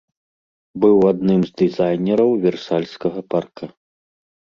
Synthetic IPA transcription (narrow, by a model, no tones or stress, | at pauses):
bɨwad̪nɨmzd̪ɨzajnʲɛɾɐwvʲɛrsalʲskɐɣɐparkɐ